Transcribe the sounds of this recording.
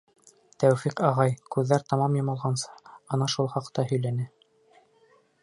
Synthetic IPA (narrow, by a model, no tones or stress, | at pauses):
t̪æwfiqɑʁɑjkʉðːæɾt̪ɑmɑmjɑ̆mɑlˠʁɑnsɤ̥ɑnɑʃulˠχɑqt̪ːɑhɵ̆jlænɘ